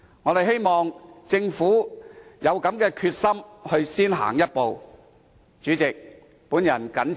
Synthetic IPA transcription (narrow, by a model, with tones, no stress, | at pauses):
ŋɔː˨˧ɾe˨jɦe˥jmɔː˨˩ŋt͡sɪ˧ŋfuː˨˥jɐ˨˧wkɐ˨˥mkɛː˧kʰyː˧t̚sɐ˥mhɵ˧ɥsiː˥nɦa̰ː˨˩ŋjɐ˥t̚po˨w | t͡ʃyː˨˥t͡sɪ˨k̚ | puː˨˥njɐ˨˩nkɐ˨˥n